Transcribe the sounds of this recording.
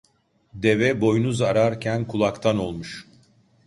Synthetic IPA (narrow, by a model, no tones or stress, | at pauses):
d̪e̞vɛbo̞junuzaɾaɾcʰænkʰulˠakt̪ʰano̞lˠmuʃ